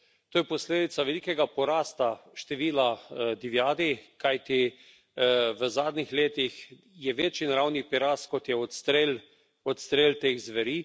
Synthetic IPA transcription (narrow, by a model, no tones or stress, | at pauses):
t̪oːjɛpɔsleːd̪it̪saʋɛlikɛɡapɔɾaːst̪aʃt̪ɛʋiːlad̪iʋjaːd̪ikajt̪i | ʋəzaːd̪nixleːt̪ix | jɛʋeːt͡ʃjinaɾawnipiɾaːst̪kɔt̪jɛɔt̪st̪ɾel | ɔt̪st̪ɾeːlt̪eːxzʋɐɾiː